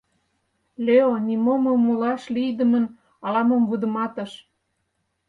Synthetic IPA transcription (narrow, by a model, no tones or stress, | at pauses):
lʲeonimoməmːulɑʃlijd̪əmən | ɑlɑməmvud̪ə̆mɑt̪ə̆ʃ